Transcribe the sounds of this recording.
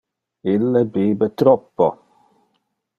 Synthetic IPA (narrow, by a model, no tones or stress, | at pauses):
ɪləbeːbətʰɾɔpɔ